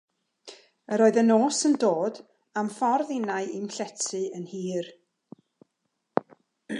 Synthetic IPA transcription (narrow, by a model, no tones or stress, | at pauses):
əɾoːɨðənoːsəndoːd | amfɔrðɪnajimɬɛtʰɨənhiːr